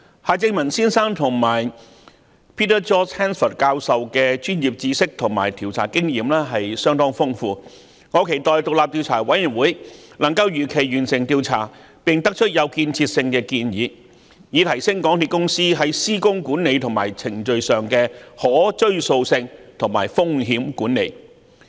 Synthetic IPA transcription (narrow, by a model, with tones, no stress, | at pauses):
haː˨˧t͡sɪ˧ŋmɐ˨˩nsiː˥nsaː˥ŋt̪ʰʊ˨˩ŋmaː˨˩j | pʰiː˥t̪əː˥t͡ʃɔː˥t͡ʃʰɛː˥nfə˨˩kaː˧wsɐ˨wkɛː˧t͡ʃyː˥njiː˨p̚t͡siː˧sɪ˥k̚t̪ʰʊ˨˩ŋmaː˨˩jt̪ʰiː˨˩wt͡sʰa̰ː˨˩kɪ˥ŋjiː˨˧mlɛː˥ɦɐ˨jsœː˥ŋt̪ɔː˥ŋfʊ˥ŋfuː˧ | ŋɔː˨˧˥kʰe˨˩jt̪ɔː˨jt̪o˨˧wlaː˨p̚t̪i˧wt͡sʰaː˨˩wɐ˨˥jyː˨˩nwuː˨˥jnɐ˨˩ŋkɐ˧wjyː˨˩kʰe˨˩jɥyː˨˩nsɪ˨ŋt̪iː˧wt͡sʰa̰ː˨˩ | pɪ˨ŋt̪ɐ˥k̚t͡ʃʰɵ˥t̚jɐ˨˧wkiː˧nt͡sʰiː˧t̚sɪ˧ŋkɛː˧kiː˧njiː˨˧ | jiː˨˧t̪ʰɐ˨˩jsɪ˥ŋkɔː˨˥ŋt̪i˧t̚kʊ˥ŋsiː˥ɦɐ˨˥jsiː˥kʊ˥ŋkuː˨˥nne˨˧jt̪ʰʊ˨˩ŋmaː˨˩jt͡sʰɪ˨˩ŋt͡ʃɵ˨ɥsœː˨ŋkɛː˧hɔː˨˥t͡ʃɵ˥ɥso˧wsɪ˧ŋt̪ʰʊ˨˩ŋmaː˨˩jfʊ˥ŋɦiː˨˥mkuː˨˥nːe˨˧j